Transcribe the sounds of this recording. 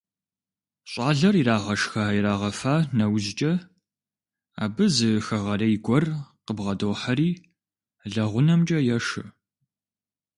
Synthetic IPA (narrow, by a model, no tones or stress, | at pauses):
ɕʼaːɮɐriraːʁɐʂxaːiɾaːʁɐfaːnɐwzt͡ʃʼɐ | a̰ːbɨzɨxɐʁɐrɐjɪɡʷɔrqəbʁɐdoːħɐɾiː | ɮɐʁʷʊnɐmt͡ʃʼɐjɛʂɨ